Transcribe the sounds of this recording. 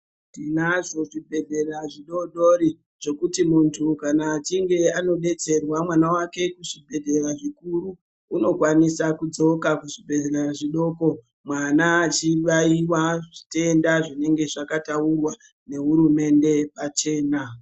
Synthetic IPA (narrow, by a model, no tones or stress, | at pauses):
tinaʐo̞ʐibʱe̞ɮʱe̞raʐiɗo̞ɗoɾi | ʐ̥o̞kutimuntʰukanaːt͡ʃiŋɡe̞ano̞ɓe̞t͡se̞rwamwanawake̞kuʐibʱe̞dʱeraʐikuruː | no̞kwanisakud͡zo̞kakuʐibʱe̞ɮereʐiɗo̞ko̞ | mwanaːt͡ʃiʋaiwaʐite̞ndaʐine̞ŋɡe̞ʐakataurwa | ne̞ɦuɾume̞nde̞pat͡ʃe̞ːna